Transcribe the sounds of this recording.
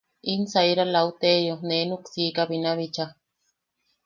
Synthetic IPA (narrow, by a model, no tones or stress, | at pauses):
insaiɾalaut̪ejonenuksiːkaβinaβit͡ʃa